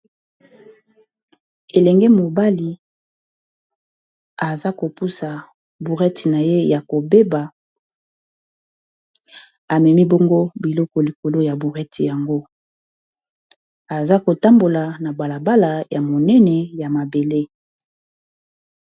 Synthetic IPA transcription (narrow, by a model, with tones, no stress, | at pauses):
e˨lɛ˨ŋɡɛ˦mo˨ba˦li˨ | a˨za˦ko˨pu˦sa˨ | bu˨ʁɛ˦ti˨na˨je˦ja˨ko˨be˦ba˨ | a˨mɛ˨mi˦bɔ˦ŋɡo˦bi˨lɔ˦kɔ˨li˨ko˨lo˦ja˨bu˨ʁɛ˦tʰi˨ja˨ŋɡo˦ | a˨za˦ko˨ta˦mbo˨la˨na˨ba˨la˨ba˦la˨ja˨mo˨nɛ˦nɛ˨ja˨ma˨be˨le˦